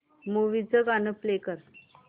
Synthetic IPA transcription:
muʋid͡zəɡanəplekəɾ

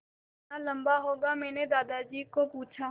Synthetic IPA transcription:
alə̃mbaɦoːɡamɛ̃ːned̪aːd̪ad͡ʒiːkopuːt͡ʃʰa

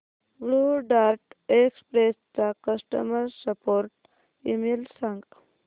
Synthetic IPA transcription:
bɭuɖaːɾʈekspɾest͡sakəsʈə̰məɾsəpoːɾʈ̚ | imilsaŋɡ

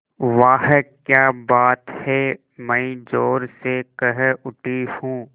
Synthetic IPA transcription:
ʋaːɦkjaːbaːt̪hɛ | mɛ̃ĩd͡ʒoːɾsekəɦʊʈihũː

